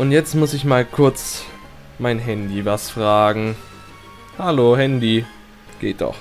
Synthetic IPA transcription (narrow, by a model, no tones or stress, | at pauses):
ʔʊntjɛt͡stmʊsɪçmaːlkʰʊɐt͡s | maɪnɦɛndivasfʁ̥aːɡŋ̩ | halohɛndi | ɡ̥ḛːt̚d̥ɔ̰χ